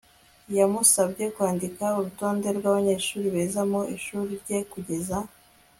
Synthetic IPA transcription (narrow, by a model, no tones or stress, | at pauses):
jamusabɟe̞kwaːndikauɾuto̞ːnde̞ɾɡwaːβaɲe̞ːʃuːɾiβe̞ːzamoʔiʃuːɾiɾɟe̞kuɟe̞za